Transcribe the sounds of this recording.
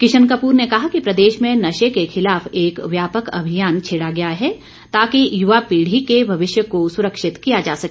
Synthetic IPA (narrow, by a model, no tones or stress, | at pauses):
kɪʃənkəpuːɾnekɐɦakipɾɐd̪eːʃmẽnɐʃekexɪlaːfeːkʋjaːpəkɐ̰bʱijaːnt͡ʃʰeːɽaɡɐjaɦɛ | t̪aːkijʊʋapiːɽ̤ikebʱɐʋɪʃjəkosʊɾəkʃɪt̪kijad͡ʒaːsɐkː